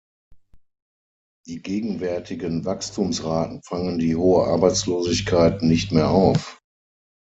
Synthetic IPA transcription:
d̥iːɡeːɡŋ̩vɛɐtʰɪɡənvakstʰuːmsʁaːtn̩faŋəndiːhoːəʔaɐbaɪt͡sloːzɪçkʰaɪtnɪçtmeːɐʔaʊf

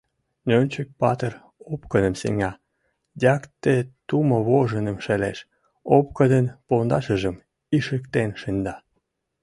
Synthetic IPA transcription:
nønʲt͡ɕək̚pɑt̪ər | opkəd̪ə̆msḛŋɑ | dʲɑkt̪et̪uməβoʒənəmʃeleʃ | op̚kə̆d̪ənpond̪ɑʃə̆ʒə̆m | iʃə̆kt̪enʃə̆nʲd̪ɑ

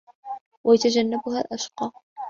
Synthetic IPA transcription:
wʔajat̪ad͡ʒanːabʊhaːlʔaʃqɑː

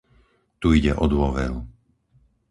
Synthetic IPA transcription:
t̪uiɟɛʔɔd̪ʊɔʋɛɾu

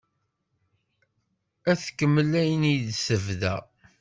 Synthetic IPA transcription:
æθkːəmːəlæjənid̪səvðæ̰

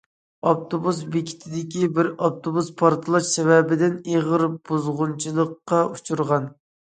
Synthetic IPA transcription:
ɑpt̪ʰobusbekʲʰi̥t̪ʰɪd̪ɪkʲibɪɾɑp̚t̪ʰobuspʰɑɾt̪ʰɨlˠɑʃsɛwɛbɪd̪ɪneʁəɾb̥uzʁʊnt͡ʃʰilˠəqːɑut͡ʃʰuɾʁɑn

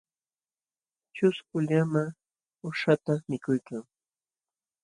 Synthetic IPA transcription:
t͡ʃʊskʊʎama | ʊʃat̪amɪkʊjkaŋ

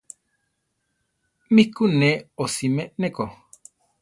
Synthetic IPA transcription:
mikuneosimẽʔneko

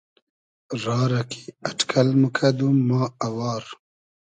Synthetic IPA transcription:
ɾɑːɾakʰi̥aʈkʰalməkʰad̪umɑːawɑːɾ

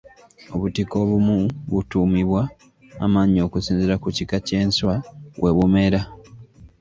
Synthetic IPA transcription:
o̞βutiko̞βumuβutuːmiβwa̰ː | maɲio̞kusiːnziɾakucikace̞ːnswaβwʔe̞βume̞ɾa

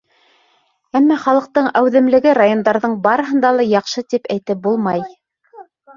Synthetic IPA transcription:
æmːæχɑlˠɤ̆q̚t̪ɤɴæwðɘ̆mlɘ̆ɡɘɾajo̞nd̪ɑɾðɤɴbɑɾɤ̆ɦɤ̆nd̪ɑlˠɑjɑqʃɤt̪ipæjt̪ɘp̚bulˠmɑj

